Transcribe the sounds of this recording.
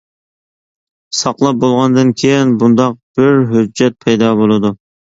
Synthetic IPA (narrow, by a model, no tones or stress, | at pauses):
sɑqlˠɑp̚bolˠʁɑnd̪ɨnkʲʰejinbund̪ɑq̚b̥ɪɾɦød͡ʒːɛt̪̚pʰɛjd̪ɑːbolˠɨd̪u